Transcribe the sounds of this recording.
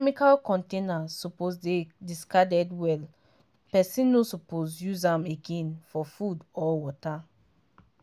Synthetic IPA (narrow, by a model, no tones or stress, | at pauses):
ɛmikalkɔ̃ntẽnasupozdediskadɛdwɛl | pɛsĩnːosupozjuzãmeɡẽnfɔfudɔwɔta